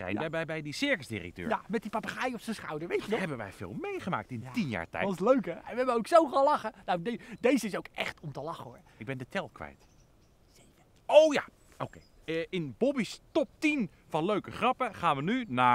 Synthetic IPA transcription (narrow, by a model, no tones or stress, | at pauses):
rɛ̰jɛbɛjbɛjdisɪɹkəsdɪ̰rɛ̰k̚tø̰ːɹjamɛt̚dipɑpaχajɔfsənsχawdəɹʋejətɔɦɛbənʋɛ̰jvɪ̰ːlˠmejχəma̰ːk̚tɪntinja̰ːɹtɛ̰jsløɥkəɛnʋɛbəowksowχalɑχənawddejzəɪsowkɛ̰χtɔmtəlɑχəʊɹ | ɪɡ̚bɛndətʰɛlˠkʋɛ̰jt | sejkə | owja̰ | owkej | əɪnbɔbistɔp̚tin | fɑnløɥkəχrɑpəχaːnʋənynaː